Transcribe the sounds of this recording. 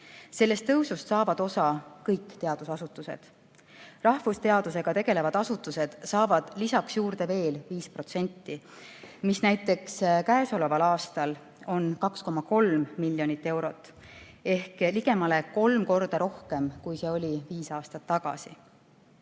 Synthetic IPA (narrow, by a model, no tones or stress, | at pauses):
se̞lːe̞st̪ːɤwsust̪sɑːvɑd̪̥o̞sɑkɤjkːt̪e̞ɑd̪̥usɑsut̪ːˑuse̞̰d̪̥ | rɑhfust̪e̞ɑd̪̥use̞ɡ̥ɑt̪e̞ɡ̥e̞le̞vɑd̪̥ɑsut̪ːˑuse̞d̪̥sɑːvɑd̪̥lisɑksjuːrd̪̥e̞ve̞ːlviːspro̞t̪se̞nʲt̪ːi | misnæjt̪ːˑe̞kskæeso̞le̞vɑlɑːst̪ɑl | o̞nkɑksko̞mɑko̞lmmilʲːjo̞nit̪ːe̞wɾo̞t̪ːˑ | e̞hkliɡ̥e̞mɑle̞ko̞lmko̞rd̪̥ɑɾo̞hke̞mkujse̞o̞lʲiviːsɑːst̪ɑt̪ːɑɡ̥ɑ̰sḭ